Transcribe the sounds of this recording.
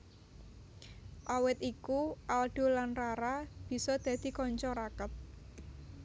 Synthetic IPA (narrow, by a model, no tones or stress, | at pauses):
ʔawɪt̪ikuʔalɖ̥o̤lanraɾab̥i̤sɔd̪̥ä̤d̪̥i̤kɔɲt͡ʃɔɾakət̪̚